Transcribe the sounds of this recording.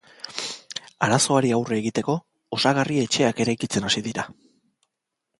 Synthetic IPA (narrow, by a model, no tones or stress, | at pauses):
aɾaso̞aɾiawre̞ːɣit̪e̞ko̞ː | saɣarie̞t͡ʃe̞ake̞ɾajkit͡se̞nasiðiɾa